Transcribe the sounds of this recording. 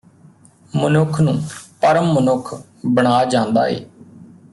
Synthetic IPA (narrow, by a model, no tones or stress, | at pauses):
mənʊkʰnũːpəɾəmːənʊkʰ | bəɳ̃aːd͡ʒãːnd̪a̰ːḛː